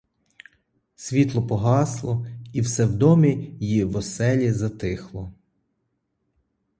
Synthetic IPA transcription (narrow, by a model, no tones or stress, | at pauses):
sʲʋʲit̪lˠɔpɔɦɑslˠɔiwsɛwd̪ɔmʲijjiwɔsɛlʲizɐt̪ɪxlˠɔ